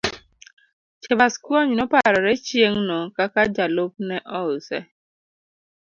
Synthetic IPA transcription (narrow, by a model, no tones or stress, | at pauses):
t͡ʃɛbaskuaɲinɔpaɾɔɾɛt͡ʃjeŋnɔkakad͡ʒalop̚nɛʔɔsɛ